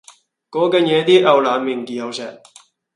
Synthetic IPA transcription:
kɔː˨˥kɛː˧njɛː˨˧t̪iː˥ʔɐ˨wlaː˨˧miː˨˩nkiː˨ɐ˨˧wsɛ̰ː˨˩k̚

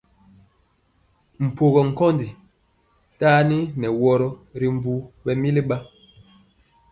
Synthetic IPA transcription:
m̩˨po˨ɣɔ˨ŋ̩˨kɔ˦ndi˨ | taː˦ni˦nɛ˨wɔ˦ɾɔ˦ɾi˨m˦˨bu˦bɛ˨mi˦li˦ɓa˦

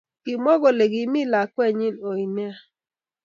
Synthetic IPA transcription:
i˨mɔ˦ɣo˨le˨ɡi˨˦mi˦˨la˨kɛ˦ɲi˦no˨i˨nɛ˦a˦˨

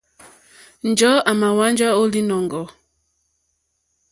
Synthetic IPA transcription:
n˨d͡ʒɔ˨˦a˨ma˨wa˦n˦d͡ʒa˦o˦li˦nɔ˨ŋɡɔ˨

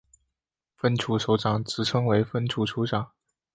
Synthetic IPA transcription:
fə˥nʈ͡ʂʰu˧˥ʂo˧˥ʊʈ͡ʂɑ˨˩ŋt͡sɹ̩˨˩ʈ͡ʂʰɤ˥ŋwe˧˥ɪfə˥nʈ͡ʂʰu˧˥ʈ͡ʂʰu˧˥ʈ͡ʂɑ˨˩˦ŋ

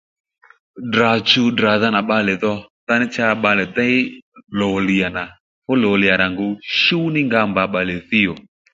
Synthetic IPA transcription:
dra˨t͡ʃu˧dɾa˨ða˧na˨ɓa˧lɛ˨ðɔ˦˧ta˦nɪ˦t͡ʃa˦˧˦ɓa˧lɛ˨t̪a˦ɪ˦lo˨li˨ja˨na˨ | fʊ˦lo˨lɪ˨ja˨ɾa˨ŋɡu˨˦ʃu˦nɪ˦ŋɡa˧mba˨˧˦ɓa˨lɪ˨θi˦jo˨

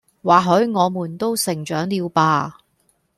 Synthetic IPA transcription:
waː˨˩ɦɵ˨˥ɥŋɔː˨˧muː˨˩nt̪o˥wsɪ˨˩ŋt͡ʃœː˨˥ŋliː˨˧wpaː˧

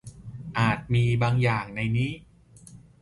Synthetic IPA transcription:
ʔaː˨˩t̪̚miː˧baː˧ŋjaː˨˩ŋna˧jniː˦˥

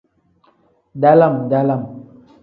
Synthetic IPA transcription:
da˦la˦˨mda˦la˦˨m

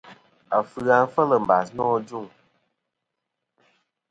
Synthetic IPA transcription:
a˨fɨ˦ɣa˧n˦fə˦lə˨m̩˨ba˨s̬nɔ˦d͡ʒu˦˨ŋ

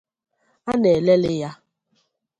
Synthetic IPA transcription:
a˦ne˨le˦lɪ˦ja˦

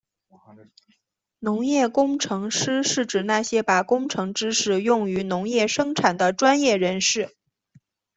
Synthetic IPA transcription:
nʊ˧˥ŋjɛ˥˩kʊ˥ŋʈ͡ʂʰɤ˧˥ŋʂɻ̩˥ʂɻ̩˥˩ʈ͡ʂɻ̩˨˩na˥˩ɕjɛ˥pa˨˩kʊ˥ŋʈ͡ʂʰɤ˧˥ŋʈ͡ʂɻ̩˥ʂɻ̩˨˩jʊ˥˩ŋy˧˥nʊ˧˥ŋjɛ˥˩ʂɤ˥ŋʈ͡ʂʰa˨˩nd̪ə˦ʈ͡ʂwa˥njɛ˥˩ɻə˧˥nʂɻ̩˥˩

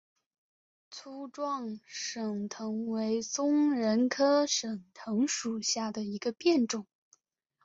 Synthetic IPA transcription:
t͡sʰu˥ʈ͡ʂwɑ˥˩ŋʂɤ˨˩ŋt̪ʰɤ˧˥ŋwe˧˥ɪt͡sʊ˥ŋɻə˧˥nkʰɤ˥ʂɤ˨˩ŋt̪ʰɤ˧˥ŋʂu˨˩ɕja˥˩d̪ə˩i˧˥ɡə˧pjɛ˥˩nʈ͡ʂʊ˨˩˦ŋ

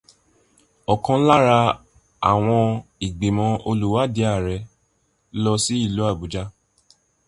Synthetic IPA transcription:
ɔ˨kã˧˦la˦ɾa˧ | a̰˨w̃ɔ̃˧i˨ɡ͡be˨mɔ̃˧˦o˧lu˦wa˦di˨˦a˦˨ɾɛ˧˦ | lɔ˧si˦i˦˨lu˨˦a˦˨bu˨˦d͡ʒa˦

